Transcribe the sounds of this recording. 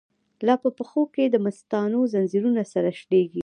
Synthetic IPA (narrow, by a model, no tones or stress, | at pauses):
lɑpəpəxoked̪əmast̪ɑnozanziɾunasaɾaʃɽeɡi